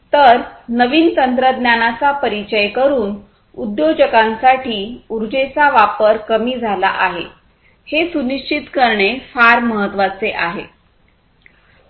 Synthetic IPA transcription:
t̪əɾnəʋiːnt̪ənt̪ɾəd̪njanat͡sapəɾit͡ɕəjkəɾuːn | ud̪jod͡ʑəkãnsaʈiːuɾd͡ʑet͡saʋapəɾkəmiːd͡zʱala̰ʔaɦḛ | hesuniʂt͡ɕit̪kəɾɳefaɾməɦət̪ːʋat͡seʔaɦḛ

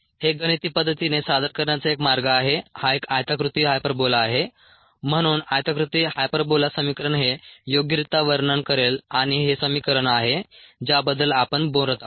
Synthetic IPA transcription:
heɡəñit̪iːpəd̪ʱːət̪inesad̪əɾkəɾɳjat͡saekmaɾɡaːɦehaekajt̪əkɾut̪iɦajpəɾbolaːɦe | m̤əɽ̃uːnajt̪əkɾut̪iɦajpəɾbolasəmikɾəɳɦejoɡjɾit̪aʋəɾɳəɳkəɾelaɽ̃iɦesəmikəɾəɳaɦed͡ʑabəd̪ːəlapəɳbõɾt̪a

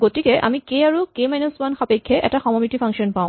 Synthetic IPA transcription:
ɡotikɛʔa̰mikejaɹukemajnɔswanxapekʰːɛʔɛ̰taxɔmɔmitipʰaŋkʃɔnpãʊ̃

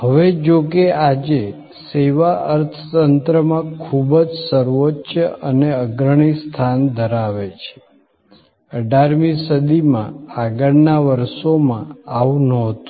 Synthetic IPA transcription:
ɦəʋed͡ʒokead͡ʒe | seʋaʔəɾt̪ʰət̪ənt̪ɾəmãkʰubəd͡ʒsəɾʋotːʃəəneəɡɾəɳ̃ist̪ʰand̪ʱəɾaʋet͡ʃʰe̥ | əɖaɾmisəd̪imã̰aɡəɭnaʋəɾʃomãaʋnɔɦt̪u

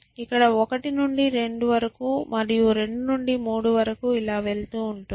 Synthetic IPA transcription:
ikːɐɽɐɔkɐʈinuɳɖiɾe̞ɳɖuʋɐɾɐkumɐɾijuɾe̞ɳɖunuɳɖimuːɽuʋɐɾɐkuilaːʋe̞ɭt̪uːuɳʈu

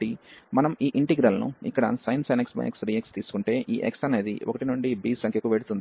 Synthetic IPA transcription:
imɐnɐmiːʔiɳʈiɡɾɐlɐnṵḭkːɐɽɐ̰sɐjnsɐjneksbɐ̰jḛksɾiːekst̪iːsu̥kuɳʈe̞ːʔiːʔeksɐneːd̪ḭokɐʈinuɳɖibiːsɐŋkʰjɐkuʋeːɽut̪und̪i

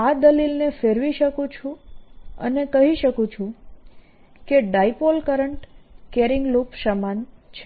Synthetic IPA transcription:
ad̪əlilnefeɾʋiʃəkũt͡ʃʰũə̰nekəɦiʃəkũt͡ʃʰũ | keɖaipolkəɾəɳʈkeɾɪŋɡlupʃəmant͡ʃʰe

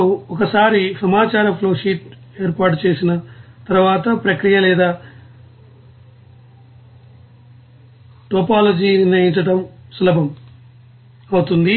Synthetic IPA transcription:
uɔkɐsaːɾisɐmaːt͡ʃaːɾɐpʰloːʂiːʈ | e̞ːɾpaːɾʈ̬ut͡ʃe̞ːsinɐt̪ɐɾʋaːt̪ɐpɾɐkɾijɐlɛːd̪aː | ʈoːpaːlɐd͡ʒiːneiɲt͡ʃɐʈɐmsulɐbʱɐm | ɐwut̪und̪i

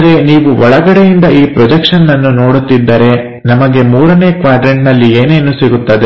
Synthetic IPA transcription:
ɾe̞niːʋuɔɭɐɡɐɽejind̪ɐʔiːpɾɔd͡ʒekʂɐnːɐnːuno̞ːɽut̪ːid̪ːɐɾe̞ | nɐmɐɡe̞muːɾɐne̞ːkʋaːɖɾeɳʈnɐlːieːnenːusiɡut̪ːɐd̪e

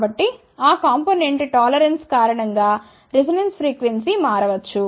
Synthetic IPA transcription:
bɐʈːi | aːkaːmpoːneɳʈʈaːlɐɾɐnskaːɾɐɳɐŋɡaː | ɾesiɖenspɾiːkʋensimaːɾɐʋɐt͡ʃːu

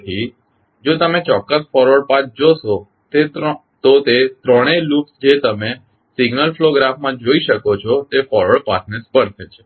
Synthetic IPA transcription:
t̪ʰi | d͡ʒot̪əmet͡ʃɔkːəsfɔɾʋəɽpat͡ʃd͡ʒoʃo | t̪e | t̪ot̪et̪ɾəɽ̃eluksd͡ʒet̪əme | siɡnəlfloɡɾafmãd͡ʒoiʃəkot͡ʃʰɔt̪efɔɾʋəɭpasʰnespəɾt̪ʰet͡ʃʰe

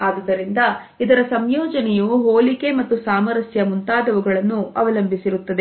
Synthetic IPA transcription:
aːd̪id̪ɐɾind̪ɐ | id̪ɐɾɐsɐmjɔːd͡ʒɐnɛjuɦoːlike̞mɐt̪ːusaːmɐɾɐsjɐmunt̪aːd̪ɐʋuɡɐɭɐnːuʔɐʋɐlɐmbʱisiɾut̪ːɐd̪e̞

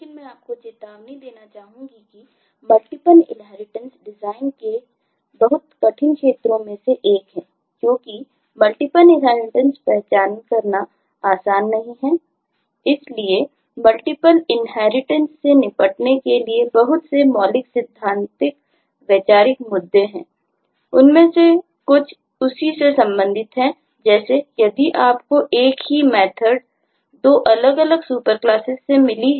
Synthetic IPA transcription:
lekɪnmɛ̃aːp̚kot͡ʃɪt̪aːʋnid̪eːnat͡ʃaːɦũŋɡiki | mɐlʈɪpəlɪ̰̃nɦɛːɾɪʈə̃nsɖɪzaːɪnke | bɐɦʊt̪kɐʈʰɪnkʃeːt̪ɾõmẽseʔeːkɦɛ̃ː | kjõːki | mɐlʈɪpəlɪɦaːɪnʈə̃nspɛɦt͡ʃaːnkɐɾna | aːsaːnːɐɦĩɦɛː | ɪslie | mɐlʈɪpəlɪnɦɛːɾɪʈə̃nsːenɪpəʈnekeliebɐɦʊt̪semɔːlɪksɪd̪ʱːãːnt̪ɪk̚ | ʋət͡ʃaːɾɪkmʊd̪ːeɦɛ̰̃ː | ʊnmẽse | kʊt͡ʃʰ | ʊsisesɐ̃mbə̃nd̪ʱɪt̪ɦɛ̃ | d͡ʒɛːsejɐd̪iʔaːp̚koʔeːkɦimɛːt̪ʰəɖ̚ | d̪oːʔɐləɡɐləɡsuːpəɾklaːsɪsːemɪli

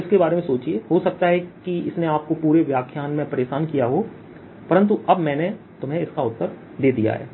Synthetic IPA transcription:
ɪskebaːɾemẽsoːt͡ʃieɦosɐk̚t̪aɦɛkiɪsneaːp̚kopuːɾeʋjaːkʰjaːnmẽpɐɾeːʃaːnkijaɦo | pɐɾə̃nt̪̬uɐbmɛ̃ːne | t̪ʊmɦẽɪskaʊt̪ːəɾ | d̪eːd̪ḭja̰ɦɛ̰ː

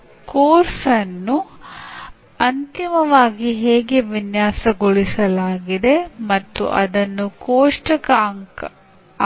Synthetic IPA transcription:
koːɾsɐnːu | ɐnt̪imɐʋaːɡiɦeːɡeʋinjaːsɐɡoɭisɐlaːɡid̪e̞mɐt̪ːṵʔɐd̪ɐnːukoːʂʈɐkɐŋk

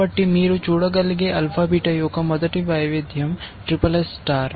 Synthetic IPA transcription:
ɐʈːimiːɾut͡ʃuːɽɐɡɐliɡeʔɐlpʰaːbiːʈɐjoːkɐmɐd̪ɐʈibaːjʋed̪ʱjɐmʈɾipɐlesːʈaːɾ

